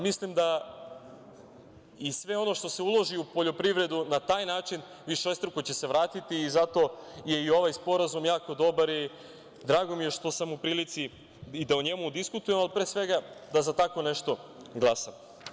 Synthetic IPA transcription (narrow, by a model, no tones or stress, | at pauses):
mislimd̪a | isʋe̞o̞no̞ʃt̪o̞se̞ulˠo̞ʒiupo̞ʎo̞pɾiʋɾe̞d̪unat̪aːjnaːt͡ʃin | ʋiʃost̪ɾkot͡ɕe̞se̞ʋɾaːt̪it̪iːzat̪o̞je̞io̞ʋajspo̞ɾazumjaːko̞d̪o̞baɾi | d̪ɾaːɡo̞mije̞ʃt̪o̞samupɾiːlit̪siː | d̪auɲe̞mud̪iskut̪uje̞malipɾeːsʋe̞ɡad̪azat̪ako̞neʃt̪o̞ | ɡlˠasam